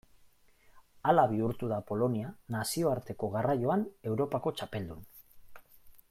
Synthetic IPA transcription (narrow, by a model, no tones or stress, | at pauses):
alaβ̞iuɾt̪uð̞apo̞lo̞nianasio̞aɾt̪e̞ko̞ɣarajo̞ane̞wɾo̞pako̞t͡ʃape̞ld̪un